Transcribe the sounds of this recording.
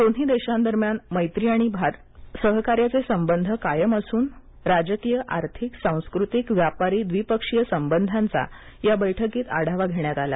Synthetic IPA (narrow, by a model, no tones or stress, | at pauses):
d̪oɽ̤iːd̪eɕãnd̪əɾmjanməjt̪ɾiaɽ̃ibʱaɾ | səɦkaɾjat͡sesəmbənd̪ʱəkajəməsuːn | ɾad͡ʑəkijəʔaɾt̪ʰiksãw̃skɾut̪ikʋjapaɾiːd̪ʋipəkʂijəsəmbənd̪ʱant͡sa̰ | jabəjʈʰəkiːt̪a̰ɽ̤ʱaʋaɡʱeɳjat̪ala̰